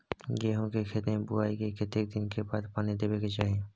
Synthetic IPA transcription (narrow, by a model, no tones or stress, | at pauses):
ɡeːɦõkekʰet̪ẽbʊaːikekʰet̪ek̚d̪ɪnkebaːd̪paːnid̪eːbeɡet͡ʃaːɦẽː